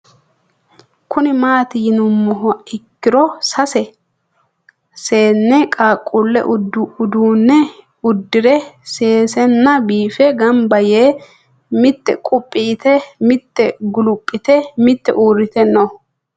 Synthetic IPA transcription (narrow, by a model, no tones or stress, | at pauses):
kʰʊnɪmaːt̪ɪjɪnʊmːɔɦɔɪkːɪɾɔsɐsɛ | se̞ːnːɛkʼaːkʼːʊlːɛ̰ʔʊd̪ʊd̪uːnːɛ | ʊd̪ːɪɾɛse̞ːsɛnːɐbiːfɛɡɐmbɐjeː | mɪt̪ːɛ̰kʼʊpʼːiːt̪ɛmɪt̪ːɛɡʊlʊpʼːɪt̪ɛmɪt̪ːɛ̰ʔuːɾɪt̪ɛnːo